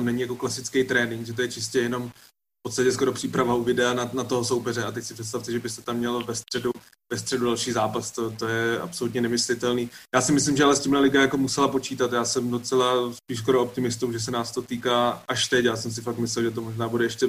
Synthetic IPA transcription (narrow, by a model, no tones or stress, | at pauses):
t̪onɛɲɪjakoklasɪt͡skejt̪ɾɛːnɪŋɡʒɛt̪ojɛt͡ʃɪscɛjɛno̞m | fpot̪st̪acɛsko̞ɾo̞pr̥iːpɾavauvɪdɛananat̪o̞ɦoso̞wpɛrɛat̪ɛcsɪpr̥ɛt̪s̬t̪aft̪ɛʒɛbɪst̪ɛt̪amːɲɛlvɛst̪r̥ɛdu | vɛst̪r̥ɛdudalʃiːzaːpast̪ot̪ojɛa̰pso̞lut̪ɲɛnɛmɪslɪt̪ɛlniːjaːsɪmɪslɪmʒɛalɛscʲɪmɦlɛlɪɡajako̞musɛlapo̞t͡ʃiːt̪at̪jaːsɛmdo̞t͡sɛlaspiːʃs̬ko̞ɾoop̚t̪ɪmɪst̪uwʒɛs̬ɛnaːst̪o̞t̪iːkaːʔaʃt̪ɛcjaːsɛms̬ɪfaktmɪs̬lɛlʒɛt̪̬o̞mo̞ʒnaːbudɛɛʃcɛ